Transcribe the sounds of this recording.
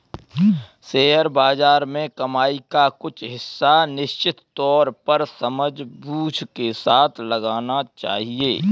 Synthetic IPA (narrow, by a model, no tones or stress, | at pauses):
seːɦəɾbaːd͡ʒaːɾmẽkɐmaːikakʊt͡ʃʰɦɪsːanɪʃt͡ʃɪt̪t̪ːɔːɾpəɾsəməd͡ʒbuːd͡ʒkesaːt̪ʰləɡaːnat͡ʃa̰ːɦieː